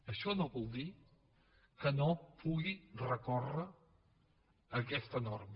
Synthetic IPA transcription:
əʃɔnoβɔlˠd̪i | kənopʰuɣirəkɔrə | kɛst̪ənɔɾm

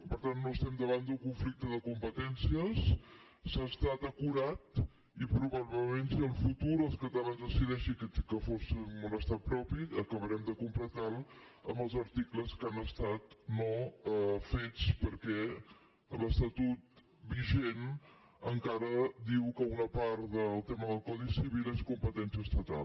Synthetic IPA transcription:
pəɾt̪anːoəst̪ɛmd̪əβ̞and̪uŋkuɱflik̚t̪əðəkumpət̪ɛnsiəs | saːst̪at̪əkuɾat̪ | ipɾuβaβləmensiəlˠfut̪uɾəlˠskət̪əlanzðəsiðɛʃikəfosnunəst̪apɾɔpiəkəβəɾɛmd̪əkumpɾlət̪alˠə̰mbəlˠzəɾt̪ikləskanəst̪at̪no | fet͡spəɾkɛ | ələst̪ət̪ut̪̚ | biʒen | əŋkaɾəd̪iwkəunəpaɾt̪ðəlˠt̪ɛməðəlˠkɔðisiβileskumpət̪ɛnsiəst̪ət̪a̰l

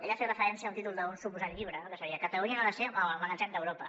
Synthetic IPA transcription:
eʎafet̪rəfəɾɛnsiaunt̪it̪ulˠd̪əunsupuzat̪ʎiβɾənokəsəɾiəkət̪əlunianaðəseməmənət͡ʃand̪əwɾopə

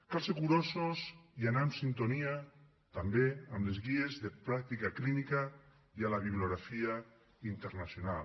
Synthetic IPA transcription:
kalsekuɾososianamsint̪onia | t̪ambeamlezɣiezðepɾak̚t̪ikaklinika | jalaβiβloɣɾafia | int̪eɾnasjonal

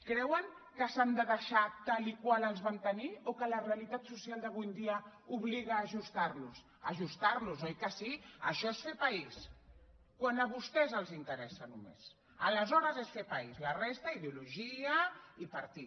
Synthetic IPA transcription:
kɾɛwəŋ | kəsand̪əðəʃat̪alikwaləlˠzβant̪əniokələrealit̪at̪susialˠd̪əɣ̞ujnd̪iəuβliɣaːʒust̪aɾlus | əʒust̪arluzojkasiə̰ʃɔesfepais | kwanəβust̪ɛzəlˠzint̪əɾɛsanumḛs | ələzɔɾəzesfepaizlarest̪aiðeuluʒiəipɐɾt̪i

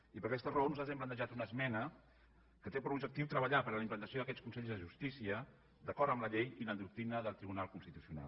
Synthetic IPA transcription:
ipəɾkɛst̪ərəonuzat̪zɛmplənt̪əʒat̪unəzmɛnə | kət̪epəɾubʒək̚t̪iwt̪ɾəβəʎapəɾləimplənt̪əsioðəkɛt͡skunsɛʎzðəʒust̪isiə | d̪əkɔɾt̪əmləʎejiləd̪uk̚t̪ɾinəðəlˠt̪ɾiβunalˠkunst̪it̪usiuna̰l

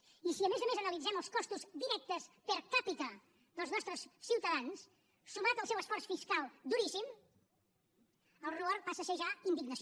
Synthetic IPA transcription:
isiəmezəmezənəlid͡zɛməlˠskɔst̪uzd̪iɾɛk̚t̪əspəɾkapit̪ə | ðəlˠznɔst̪ɾəsːiwt̪əðansː | umat̪əlˠsɛwəsfɔrsfiskalˠd̪uɾisim | əlˠruaɾpasəseʒaind̪iɡnəs

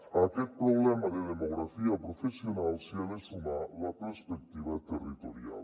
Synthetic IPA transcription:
at̪ek̚pɾoblamɐled̪emoɡɾafijapɾofesionalsiɐlesumalapeɾspek̚t̪iʋat̪erːit̪oɾia̰l

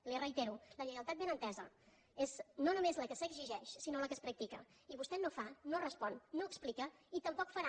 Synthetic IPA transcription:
lirəjt̪eɾuləʎəɣəlˠt̪at̪̚benənt̪ɛzə̰ | eznonumezləkəsəɡziʒɛʃsinoləkəspɾək̚t̪ikə̰ | iβust̪ɛnofanorəspɔnːoəksplikəit̪əmpɔkfəɾa

